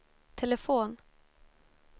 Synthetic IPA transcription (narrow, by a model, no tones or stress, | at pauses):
t̪ʰɛləfoːn